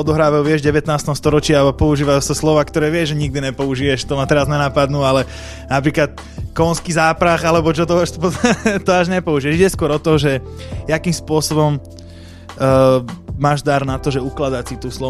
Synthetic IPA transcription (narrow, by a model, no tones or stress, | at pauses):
ɔd̪ɔɦɾaːʋaʋɪɛʒɟɛʋɛt̪naːst̪ɔmst̪ɔɾɔt͡ʃɪaapɔuʒiːʋajusaslɔʋaːkt̪ɔɾɛːʋɪɛʒɛɲiɡ̚d̪iɲɛpɔuʒiɛʃt̪ɔmat̪ɛɾazɲɛnapad̪nuːalɛ | napɾiːklat̪ | kɔnskizaːpɾaɣalɛbɔt͡ʃɔt̪ɔaʃpt̪ɔaʒɲɛpɔuʒiɛʒiɟɛskʊɔɾɔt̪ɔʒɛ | jakiːmspʊɔsɔbɔm | maːʒd̪aɾnat̪ɔʒɛuklad̪asit̪uːslɔ